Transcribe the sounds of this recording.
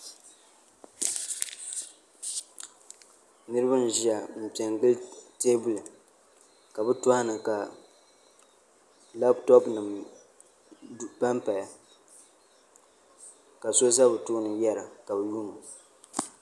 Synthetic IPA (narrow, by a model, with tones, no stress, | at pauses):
nɨ˦ɾɨ˦bɨ˦n˦ʒi˦a˨m̩˨pi˨ɛ˨ŋɡ͡bɨ˦lteː˦bʊ˦lɨ˨ | ka˨bɨ˦tʊ˦ha˦nɨ˨ka˨ | la˦btɔ˦pnɨ˨m | ba˦mpa˨ja˨ | ka˨so˦za˦bɨ˨tuː˦nɨ˨jɛ˦ɾa˨ka˨bɨ˨ju˦na˨